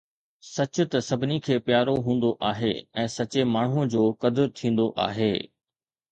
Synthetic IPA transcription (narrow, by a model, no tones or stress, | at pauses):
sɐt͡ɕʊ̆t̪ɐsɐbʱɪnikʰeːpjaːɾoɦũːn̆d̪oʔaːɦeɛ̃ːsɐt͡ɕemaːɳ̤ũd͡ʑoːkɐd̪əɾt̪ʰĩːn̆d̪oʔa̰ːɦeː